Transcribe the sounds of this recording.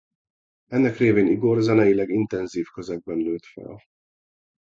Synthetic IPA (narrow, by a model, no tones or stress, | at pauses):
ɛnːɛkreːveːniɡorzɛnɛjilɛɡint̪ɛnziːfkøzɛɡ̚bɛnløːt̪fɛ̰l